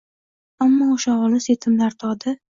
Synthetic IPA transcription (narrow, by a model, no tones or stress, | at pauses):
amːɒoʃaɒlˠɪset̪ʰɪmlaɾt̪ʰɒd̪ɪ